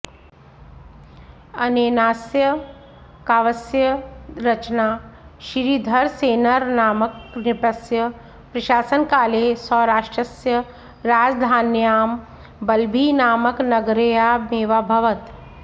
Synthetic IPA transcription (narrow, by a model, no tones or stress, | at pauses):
ɐneːnaːsjɐ | kaːʋɐsjɐɾɐt͡ʃnaːʃiɾid̪ʱɐɾseːnɐɾnaːmɐknɪpɐsjɐ | pɾɐʃaːsənkaːleːsɔ̃ːɾaːʂʈɾɐsjɐ | ɾaːd͡ʒd̪ʱaːnjaːm | bɐlbʱiːnaːmɐknɐɡɾejaːmeːʋaːbʱɐʋɐt̪